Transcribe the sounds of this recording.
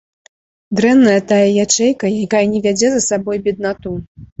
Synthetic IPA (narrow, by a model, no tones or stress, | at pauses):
d̪ɾɛnːɐjɐt̪ajɐjat͡ʂɛjkɐjakajɐnʲɛvʲad͡zʲɛzɐsabɔjbʲɛd̪̚nat̪u